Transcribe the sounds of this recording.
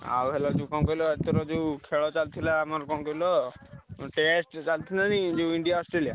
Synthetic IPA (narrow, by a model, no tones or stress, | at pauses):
a̰wɦelɔd͡ʒewkɔmkɔjlɔet̪ɔɾɔd͡ʒewkʰeɭɔt͡ʃalt̪ʰilaːmaɾkɔmkɔilɔ | ʈesʈt͡ʃalt̪ʰinanid͡ʒewiɳɖiaɔsʈɾelia